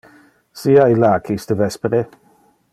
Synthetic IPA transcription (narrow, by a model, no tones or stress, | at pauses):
siailaːkʰistəvɛspɾɪ